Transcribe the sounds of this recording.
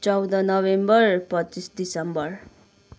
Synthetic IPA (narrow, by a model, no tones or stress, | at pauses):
t͡sʌwd̪ʌnʌβembʌrpʌtːt͡sisd̪isʌmbʌr